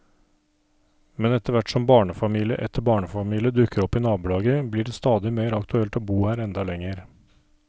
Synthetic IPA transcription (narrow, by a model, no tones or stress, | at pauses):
mɛnɛt̪ʰəɾʋæʈːsɔmbɑːɳəfɑmiːlɪəʔɛt̪ʰːəɾbɑːɳəfɑmiːlɪəd̪ʉkʰːəɾɔpːɪnɑːbʉlɑːɡəblɪɖɛst̪ɑːd̪ɪmeːɾɑkt̪ʉɛlt̪oːbuːhæːɾɛnd̪ɑlɛŋːəɾ